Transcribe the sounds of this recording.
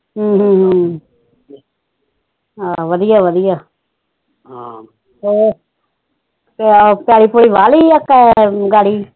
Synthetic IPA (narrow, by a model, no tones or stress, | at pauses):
ɦəːɦːɦ | ɦaːʋəd̪ijaːʋəd̪ɪjaː | oː | ppɪjaːɽiːpoːɽiːʋaːliːəkːaɡaːɽiː